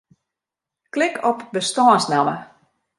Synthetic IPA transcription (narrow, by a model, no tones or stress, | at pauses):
klɪkʰɔpbəstɔːnsnamə